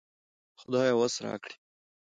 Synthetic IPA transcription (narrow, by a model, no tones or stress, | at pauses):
xʊd̪aːjawasɾɑ̰ːkɽi̥